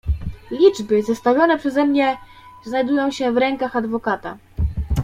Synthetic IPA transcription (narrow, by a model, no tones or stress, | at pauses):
lʲid͡ʐbɘzast̪avʲjɔnɛpʂɛzɛmɲɛ | znajd̪ujɔ̃w̃ɕɛvɾɛŋkaxad̪vɔkat̪a